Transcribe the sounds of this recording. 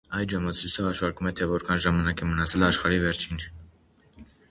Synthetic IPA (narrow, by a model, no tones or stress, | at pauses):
ɑjd̪ʒəmɑt͡sʰusəhɑʃvɑɾkumɛt̪ʰɛvɔɾkʰɑnʒɑmɑnɑkɛmənɑt͡sʰɛlɑʃχɑɾivɛɾt͡ʃʰin